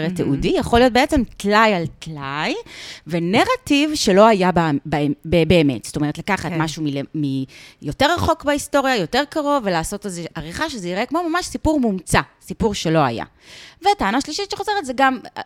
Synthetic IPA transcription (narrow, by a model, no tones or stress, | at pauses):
ʁeteʔudijaχo̞lijo̞t̚beet͡se̞mtlajaltlajve̞neʁativʃe̞lo̞ajabbebeːmetst̪o̞meʁet̪lakaχat̪maʃumilemijo̞teʁːaχo̞kbaisto̞ʁjajo̞teʁkaʁo̞ve̞laːso̞tezeaʁiχaʃezeiʁʔekmo̞mamaʃsipuʁmumt͡sasipuʁʃe̞lo̞a̰ja̰ | veataanaʃliʃitʃeχo̞ze̞ʁetzeɡam